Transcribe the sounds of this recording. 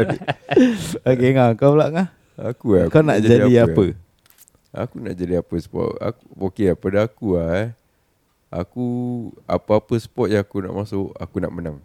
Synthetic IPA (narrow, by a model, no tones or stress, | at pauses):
okeŋaŋkawlaʔŋah | a̰kuakawnaʔd͡ʒad͡ʒaaiapə | a̰kunaʔd͡ʒadiapəsə̥pɔ̰ʔa̰kuokeapadaakua | akua̰pəapəsə̥pɔt̪̚jaŋakuna̰ʔmasʊʔa̰kunaʔmənaŋ